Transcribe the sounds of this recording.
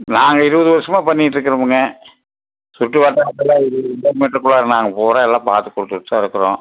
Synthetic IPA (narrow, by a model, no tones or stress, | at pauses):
naːŋɡɐɪɾɯʋɐðɯʋɐɾɪsɐmaːpɐɳːɪʈːɾɯkːɯɾɐmɯŋɡɐ | sʊʈːɯʋaːʈːaːɐɛlːãːɪɾɯɪnːɐɾmeːʈɾɐkːʊɭaːɾɐnaːŋɡɐpoːɾãːɛlːãːpaːɾt̪ɯkːɔɽɯt̪ːɯɯt̪ːãːɪɾɯkːɯɾõ̰ː